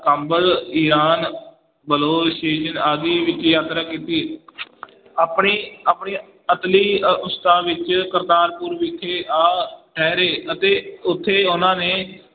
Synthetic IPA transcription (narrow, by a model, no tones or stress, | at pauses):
kəmbəliːɾaːn | bəloːsʈeːʃənaːd̪iːʋɪt͡ʃjaːt̪ɾaːkiːt̪iː | aːpɳiːaːpɳiː | ət̪liːʊst̪aːʋɪt͡ʃkəɾt̪aːɾpʊuɾʋɪkʰːeːʔaːʈʰɛːɾeːət̪eːʊt̪ʰːeːʊnãːneː